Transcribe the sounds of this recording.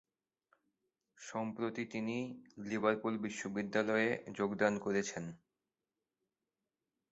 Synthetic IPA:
ʃɔmpɾot̪it̪inilibaɾpulbiʃːobid̪ːalɔed͡ʑoɡd̪ankoɾet͡ɕʰen

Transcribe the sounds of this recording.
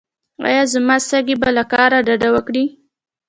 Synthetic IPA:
wɑ̰jɑzamɑst̪aɡibalakɑɾaɖaɖawəkɽi

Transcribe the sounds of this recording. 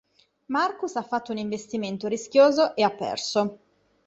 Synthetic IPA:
markusafːat̪ːouniɱvest̪iment̪oɾiskjoːzoʔeapːɛ̰rso

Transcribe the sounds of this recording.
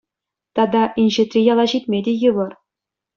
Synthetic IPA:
t̪ɑd̪ɑʔinʲʑɘ̆t̪ʲrʲijɑlˠɑʑit̪ʲmʲedʲejɤʋɤ̆r

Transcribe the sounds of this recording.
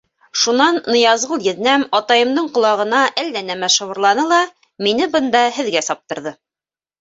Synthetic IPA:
ʃunɑnːɤ̆jɑzʁɤlˠjɘ̆ðnæmɑt̪ɑjɤ̆md̪ɤɴqŏlˠɑʁɤ̆nɑʔælːænæmæʃɤ̆wɤ̆ɾlˠɑnɤlˠɑ | minɘbɤ̆nd̪ɑhɘ̆ðɡæsɑp̚t̪ɤ̆ɾðɤ

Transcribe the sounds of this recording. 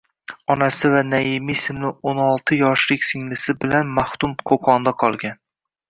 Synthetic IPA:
ɒnasɪvanaɪmisɪmlɪonɒlˠt̪ʰɪjɒʃlɪkʲsɪŋlɪsɪbɪlanmaht̪ʊmqʰoqʰɒnd̪aqʰɒlˠɡʲan

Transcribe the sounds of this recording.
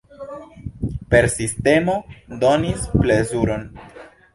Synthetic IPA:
pe̞ɾsiste̞mo̞do̞nisplezuɾo̞n

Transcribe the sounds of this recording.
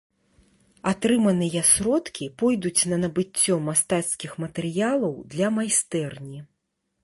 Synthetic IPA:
at̪ɾɨmɐnɨjɐsɾɔt̪kʲipɔjd̪ut͡sʲnɐnɐbɨt͡st͡sʲːɔmast̪at̪skʲixmɐt̪ɛɾɨjalˠɐwd̪lʲɐmajst̪ɛrnʲi

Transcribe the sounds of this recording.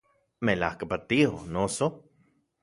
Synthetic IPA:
melahkapat̪io̰noso

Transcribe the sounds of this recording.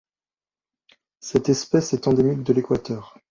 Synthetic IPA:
sɛt̪ɛspɛsɛt̪ɑ̃d̪emik̚d̪əlekwat̪œːʁ

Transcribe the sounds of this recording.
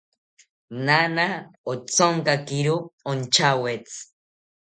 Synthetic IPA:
nanaot͡soŋkakiɾuont͡ʃʰawet͡s

